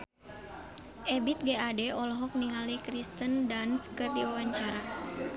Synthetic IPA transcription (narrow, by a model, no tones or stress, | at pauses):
ʔɛbit̪̚ɡeʔadɛɔlɔɦɔk̚niŋalikɾist̪əndanskərdiawaɲt͡ʃaɾa